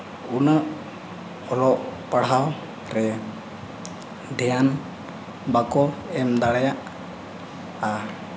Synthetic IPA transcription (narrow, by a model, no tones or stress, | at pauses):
unəʔ | ɔɾɔʔpaɽ̤aw | ɾɛ | d̪ʱɛjan | bakɔɛmd̪aɽajaʔ | a